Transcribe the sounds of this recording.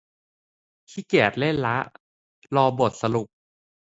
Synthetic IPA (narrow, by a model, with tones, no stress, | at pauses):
t̪ʰiː˦˥˩kɛː˨˩t̪̚le˥˩nla˦˥ʔ | lɔː˧bo˨˩t̪̚sa˧lu˨˩p̚